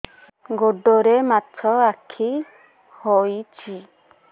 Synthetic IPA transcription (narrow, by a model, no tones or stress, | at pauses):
ɡoɖɔɾematʰɔakʰi | hɔit͡ʃi